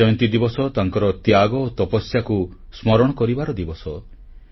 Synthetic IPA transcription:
ɔjɔ̃nt̪id̪ibɔsɔt̪aŋkɔɾɔt̪jaɡɔot̪ɔpɔsjaku | smɔɾɔɽ̃ɔkɔɾibaɾɔd̪ibɔsɔ

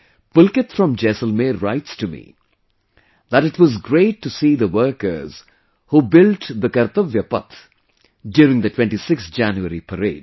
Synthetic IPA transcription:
pʊlkɨt̪fɹʌ̃md͡ʒɛsəlmeɹa̰ɪtstumḭ | ðæɾɨʈwɔzɡɾeɪʈːusiːðəwəɾkə̰ɾz̥ | hubɪlʈd̪əkɐɾt̪əʋjəpʌ̰t̪ | ɖjʊːɾɪ̃ŋd̪ətʰwɛ̃nʈisɪkst̪d͡ʒæ̃njuəɾipʰəɾḛːd̥

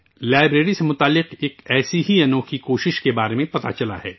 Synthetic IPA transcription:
laːɪbɾeːɾisemʊt̪aːlːɪqeːkɛːsiɦiɐnõːkikoːʃɪʃkebaːɾemẽpɐt̪a̰t͡ʃɐla̰ɦɛː

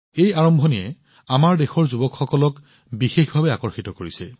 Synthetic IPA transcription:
ejaɹɔmbʱɔnijɛ | amaɹdexɔɹzubɔkxɔkɔlɔk | bixexbʱabɛakɔɹxitɔkoɹisɛ̰

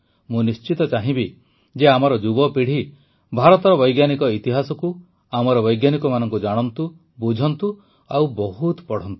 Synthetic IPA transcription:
mũnist͡ʃit̪ɔt͡ʃaɦĩbi | d͡ʒeamɔɾɔd͡ʒubɔpiɽ̤i | bʱaɾɔt̪ɔɾɔbɔjɡjanikɔit̪iɦasɔku | amɔɾɔβɔjɡjanikɔmanɔŋkud͡ʒaɽ̃ɔnt̪u | bud͡ʒʱɔnt̪u | awbɔɦut̪pɔɽ̤ɔnt̪u̥

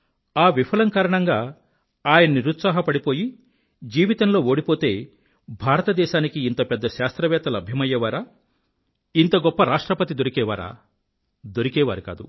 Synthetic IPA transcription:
aːʋipʰɐlɐŋkɐːɾɐɳɐŋɡaː | aːjɐnɐniɾut̪saːɦɐpɐɽipo̞ːji | d͡ʒiːʋit̪ɐnlo̞ːoːɽipo̞ːt̪e̞ː | bʱaːɾɐt̪ɐd̪ɛːʃaːnikiːnt̪ɐpɛd̪ːɐʃaːst̪ɾɐʋɛːt̪ɐlɐbʱjɐmɐjːɐʋaːɾaː | int̪ɐɡɔpːɐɾaːʂʈɾɐpɐt̪id̪o̞ɾikɛːʋa̰ːɾa̰ː | d̪o̞ɾikɛːʋaːɾika̰ːd̪ṵ

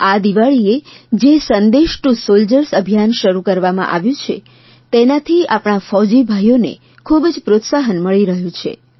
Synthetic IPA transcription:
ad̪iʋaɭied͡ʒesənd̪eʃʈusold͡ʒəɾsəbʱijanʃəɾukəɾʋamã̰ʔaʋjũt͡ʃʰḛ | t̪enat̪ʰiapɳ̃afɔd͡ʒibʱajonḛ | kʰubd͡ʒpɾot̪saɦənməɭiɾəɦjũt͡ʃʰḛ

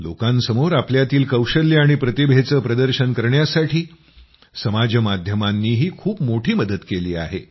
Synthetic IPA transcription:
lo̰kãnsəmoɾapljat̪iːlkəwɕəljaɽ̃ipɾət̪ibʱet͡səːpɾəd̪əɾɕənkəɾɳjasaʈʰiː | səmad͡ʑəmad̪ʱjəmanːiːɦiːkʰuːpmoʈʰiːməd̪ət̪keliːa̰ɦḛ

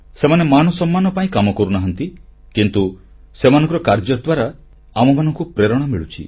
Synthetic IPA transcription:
semanemanɔsɔmːanɔpaĩkamɔkɔɾunaɦɔnt̪i | kint̪u | semanɔŋkɔɾɔkaɾd͡ʒɔd̪waɾa | amɔmanɔŋkupɾeɾɔɽ̃amiɭut͡ʃʰḭ

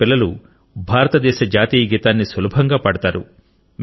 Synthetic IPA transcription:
ilːɐlu | bʱaːɾɐt̪ɐd̪ɛːʃɐd͡ʒaːt̪iːjɐɡit̪aːnːisʋɐlubʱɐŋɡaːpɐɽɐt̪aːɾṵ | m

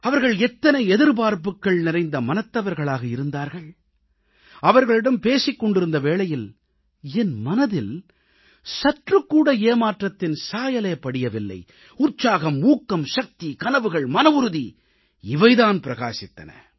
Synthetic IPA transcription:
ɐʋɐɾɣɐɭɛt̪ːɐnɐɪɛðɪɾpaːɾpɯkːɐɭnɪɾɐɪnd̪ɐmɐnɐt̪ːɐʋɐɾɣɐɭaːɣɐɪɾɯnd̪aːɾɣɐɭ | ɐʋɐɾɣɐɭɪɽɐmpeːsɪkːɔɳɖɪɾɯnd̪ɐʋeːɭɐjɪl | ɛnmɐnɐðɪl | sɐʈrɯkːuːɽɐeːmaːʈrɐt̪ːɪnsaːjɐlɐjpːɐɽɪjɐʋɪlːɐ̰ɪ | ʊɾt͡ʃːaːɣɐmːuːkːɐmʃɐk̚t̪ikɐnɐʋɯɣɐɭmɐnɐʋʊɾɯði | ɪʋɐɪðaːnpɪɾɐɣa̰ːsɪt̪ːɐ̰nɐ̰

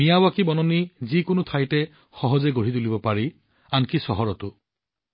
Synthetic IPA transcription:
mijawakibɔnɔnizikʊnut̪ʰajtɛ | xɔɦɔzeɡoɹit̪ulibɔpaɹi | ankisɔɦɔɹɔt̪ʊ

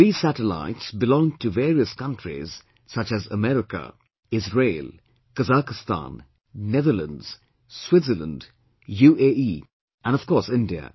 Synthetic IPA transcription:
ɹiːsætəla̰ɪtsbɪlɔ̃ŋtʰɨveːɹiəskʌ̃ntɹḭz̥ | sʌt͡ʃɨzəmɛɾɪkə̰ | ɪzɹeɪlˠ | kəzakɪstã̰nː | ɛðələ̰̃ndz̥ | swɪtsələ̰̃nd | juːʔeiː | ə̃nʌv̥kɔːɹsɪ̃ndiə̰

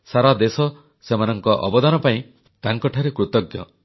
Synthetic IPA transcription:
saɾad̪esɔ | semanɔŋkɔʔɔ̰bɔd̪anɔpaĩ | t̪aŋkɔʈʰaɾekɾut̪ɔɡjɔ̰

